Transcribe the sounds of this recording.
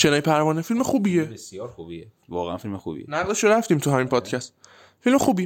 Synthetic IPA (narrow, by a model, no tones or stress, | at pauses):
ʃenɒpʰæɾmɒːnefilmexuːbijebesjɒːɾxubie | vɒ̰ːɣḛæ̰nfilmexṵbḭenæɣleʃoɾæft̪iːmt̪ʰuɦæmiːnpʰɒːd̪cʰæst̪̚ | filmexuːbij